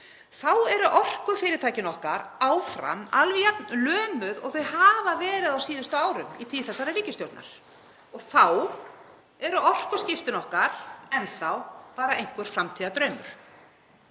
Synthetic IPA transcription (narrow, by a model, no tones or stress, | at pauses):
θawɛɾʏʔɔr̥kʏfɪːɾɪɾ̥t̪ʰaːjcɪnɔhka̰ɾaːwfɾa̰malvijɛt̪nlœːmʏðɔ̰ɣθœɥjɦaːvavɛːɾɪðawsiːðʏst̪ʏaːwɾʏmit̪ʰilθɛsːaɾaɾiːcɪst̪jɔwɾt̪na̰ɾ̥ | ɔɣθaw | ɛɾʏʔɔr̥kʏscɪft̪ɪnɔhkaɾ̥ɛnθawpaːɾaejŋ̥kvɛɾ̥fɾamt̪ʰiːðat̪ɾœːɥmʏ̰ɾ̥